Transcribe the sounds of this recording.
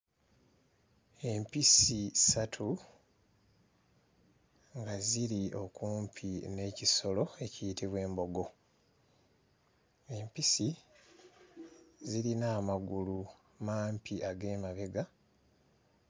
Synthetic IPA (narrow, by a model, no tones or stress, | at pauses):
e̞mpisisatʰu | ŋɡaziɾio̞kuːmpʰine̞ːciso̞lo̞e̞cijitiβwe̞ːmbo̞ɡo̞ | e̞mpisi | ziɾinaːmaɡulu | maːmpiʔaɡe̞ːmaβe̞ɡa